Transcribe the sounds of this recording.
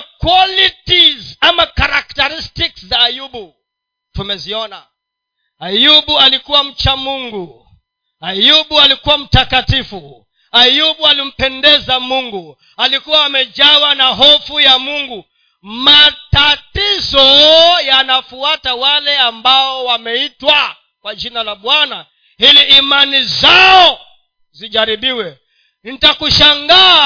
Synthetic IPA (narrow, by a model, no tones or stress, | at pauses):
kwalitizamakaɾak̚taɾistikszaːjuɓu | tumɛziɔna | ajuɓualikuwam̩t͡ʃamuŋɡu | ajuɓualikuwam̩takatifu | ajuɓualim̩pɛndɛzamuŋɡu | alikuwaːmɛd͡ʒawanaɦɔfujamuŋɡu | matatizɔjanafuatawalɛambaɔwamɛitwa | kwad͡ʒinalaɓwana | hiliʔːmanizaɔ | ziʄaɾiɓiwɛ | n̩takuʃaŋɡa